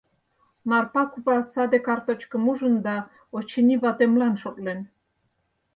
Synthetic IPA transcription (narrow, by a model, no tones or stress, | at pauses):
mɑrpɑkupɑsɑd̪ekɑrt̪ət͡ɕkə̆muʒə̆nd̪ɑ | ot͡ɕiniβɑt̪emlɑnʃot̪len